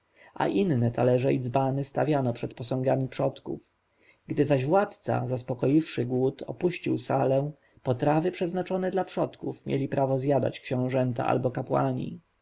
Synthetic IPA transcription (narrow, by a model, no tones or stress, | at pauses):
a̰ʔinnːɛt̪alɛʐɛid̪zbanɘst̪avʲjanɔpʂɛt̪pɔsɔ̃ŋɡamʲipʂɔt̪kṵf | ɡd̪ɘzaʑvwat̪t̪sa̰zaspɔkɔjifʂɘɡwut̪ʰɔ̰puɕt͡ɕiwsalɛ | pɔt̪ɾavɘpʂɛznat͡ʂɔnɛd̪lapʂɔt̪kufmʲjḛlʲipɾʔavɔzʲjad̪a̰t͡ɕkɕɔ̃w̃ʐɛnt̪a̰ʔa̰lbɔkapwa̰ɲḭ